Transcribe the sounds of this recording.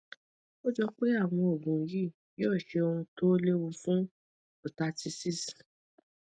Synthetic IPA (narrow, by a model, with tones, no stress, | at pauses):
o˦d͡ʒɔ˧k͡pe˦a˦˨w̃ɔ̃˧o˨bũ˨˧ji˦˨ | jɔː˦˨ʃe˧o˧ũ˧to˦le˦wu˧fũ˦ | u˨ta˨˧ti˧si˦˨s